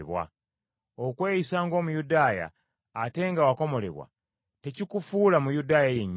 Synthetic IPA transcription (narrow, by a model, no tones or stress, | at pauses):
βwa̰ | okwe̞ːjisaːŋɡo̞ːmujudaːja̰ː | te̞ŋɡawako̞mo̞le̞̰βwa̰ | te̞cikufuːlamujudaːjajeɲː